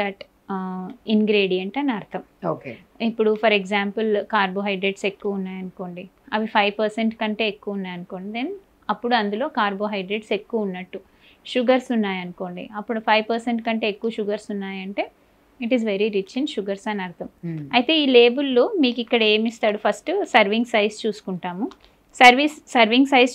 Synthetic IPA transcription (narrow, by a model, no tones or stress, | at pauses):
d̪ɐʈ | iŋɡɾeːɖijɐɳʈɐnɐɾt̪ʰɐmoːke | ipːuɽupʰɐɾeɡzaːmpɐlkaːɾbo̞ːɦɐjɖɾeɖse̞kːuʋɐunːaːjɐnuko̞ːɳɖi | ɐʋipʰɐjʋpɐɾseɳʈkɐɳʈe̞ːekːuʋɐunːaːjɐnukoːɳɖid̪en | ɐpːuɽuɐnd̪ulo̞ːkaːɾbo̞ːɦɐjɖɾeɖse̞kːuʋɐunːɐʈːu | ʃuɡɐɾsunːaːjɐnuko̞ːɳɖḭɐpːuɽupʰɐjʋpɐɾseɳʈkɐɳʈe̞ːkːuʋɐʃuɡɐɾsunːaːjɐɳʈe̞ː | iʈizʋe̞ɾiɾit͡ʃinʃuɡɐɾsɐnɐɾɐt̪ʰɐmɐjt̪e̞ːiːle̞ːbulːumiːkikːɐɽɐe̞ːmist̪aːɽupʰɐsʈsɐɾʋiŋɡsɐjst͡ʃuːsu̥kuɳʈaːmu | sɐɾʋissɐɾʋiŋɡsɐjs